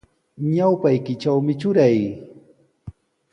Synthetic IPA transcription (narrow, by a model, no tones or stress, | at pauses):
ɲawpajkɪt͡ʃawmɪt͡ʃʊɾaj